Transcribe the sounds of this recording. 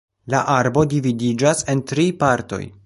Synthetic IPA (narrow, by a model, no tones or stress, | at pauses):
laʔaɾbo̞dividid͡ʒase̞ntɾipaɾto̞̰j